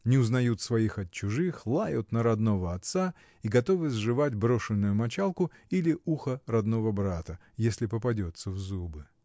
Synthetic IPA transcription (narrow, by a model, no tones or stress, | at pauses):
nʲɪʊznɐjut̪svɐixɐt̪t͡ɕːʊʐɨxlˠajʊt̪nəɾɐd̪no̞vəɐt̪sa | iɡɐt̪o̞vɨzʐɨvatʲbɾo̞ʂɨnːʊjʊmɐt͡ɕalˠkʊilʲɪʔuxərɐd̪no̞vəbɾat̪ə | jesʲlʲɪpəpɐdʲo̞t̪səvzubɨ